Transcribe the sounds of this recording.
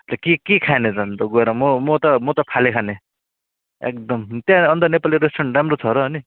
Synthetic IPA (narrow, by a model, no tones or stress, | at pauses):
t̪ekikikʰaned͡zʌnt̪oɡoeɾʌmomot̪ʌmʌt̪ʌpʰalekʰane | ḛk̚d̪ʌmt̪jãʌnd̪ʌnepaliɾesʈʌramrot͡sʰʌɾʌɦʌni